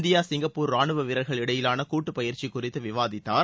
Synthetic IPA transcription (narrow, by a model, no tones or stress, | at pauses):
nd̪ɪjaːsɪŋɡɐpːuːɾaːɳɯʋɐʋɪɾɐɾɣɐɭɪɽɐjɪlaːnɐkuːʈːɯpɐjɪɾt͡ʃikːʊrɪt̪ːɯʋɪʋaːðɪt̪ːaːɾ